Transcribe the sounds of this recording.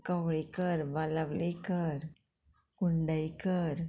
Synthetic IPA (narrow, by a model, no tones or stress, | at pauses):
kaʋɭekəɾʋalaʋlekəɾ | kuɳɖajkəɾ